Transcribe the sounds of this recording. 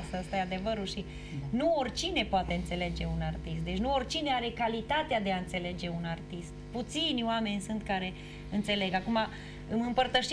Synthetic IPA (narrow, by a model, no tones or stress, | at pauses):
səəst̪ajad̪e̞vəɾulʃi | nuorʲt͡ʃine̞poat̪e̞ɨnt̪se̞le̞d͡ʒe̞unart̪ist̪̚d̪e̞t͡ʃʲnuorʲt͡ʃine̞aɾe̞kalit̪at̪ead̪e̞aɨnt̪se̞le̞d͡ʒe̞unart̪ist̪put̪sinʲoame̞nʲsunt̪̚kaɾe̞ | ɨnt̪se̞le̞ɡakuma | ɨmɨmpərt̪əʃ